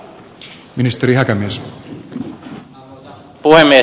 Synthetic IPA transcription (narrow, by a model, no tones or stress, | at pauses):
minist̪eɾihækæmies | puhemːie